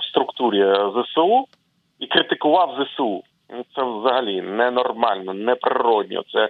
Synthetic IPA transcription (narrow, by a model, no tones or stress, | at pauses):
st̪ɾʊkt̪uɾʲizɛsɪu | ikɾɪt̪ɪkʊʋɑwzɛsɪu | nut̪sɛwzɐɦɐlʲinɛnɔrmɑlʲnɔnɛpɾɪɾɔd̪̚ʲnʲḭt̪sɛ